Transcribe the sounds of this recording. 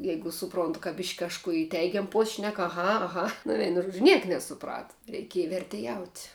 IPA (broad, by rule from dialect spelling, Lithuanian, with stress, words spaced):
ˈjɛɪɡʊ sʊˈproːntʊ kɐ bʲɪʃʲkʲ kɐʃˈkuː ɪ ˈtʲɛɪɡʲɛm poːsʲ ʃʲnʲɛk ɐˈɣɐ ɐˈɣɐ nʊ ˈʋʲɛɪnʊ ˈʒuɔd͡ʒʲʊ ˈnʲiɛk nʲɛsʊˈprɑːtɐ rʲɛɪˈkʲiɛjɛ ʋʲɛrʲtʲɛˈjɛʊtʲ